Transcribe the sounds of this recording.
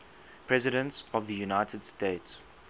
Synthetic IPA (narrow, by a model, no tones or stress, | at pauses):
pʰɹɛzɪɾə̃ntsɔvðəjunaɪtʰədsteːts